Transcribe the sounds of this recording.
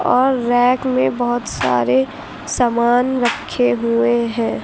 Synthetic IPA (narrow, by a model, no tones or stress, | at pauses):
ɔːɾːɛːkmẽbəɦʊt̪sa̰ːɾe | samaːnɾəkʰːeɦueɦɛ̃ː